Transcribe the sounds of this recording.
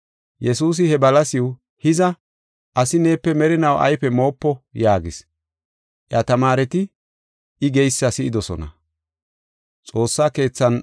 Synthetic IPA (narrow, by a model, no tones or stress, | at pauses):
jɛsuːs̬ɪhɛbɐlɐsɪw | hɪzɐ | ʔɐsɪne̞ːpːɛmɛɾɪnɐwʔɐ̰jpɛmo̞ːpːɔjaːɡɪs | ʔjɐt̪ɐmaːɾɛt̪ɪ | ɪɡɛjsːɐsɪʔɪd̪ɔsɔ̰nɐ̰ | t͡sʼo̞ːsːaːke̞ːt͡sːɐn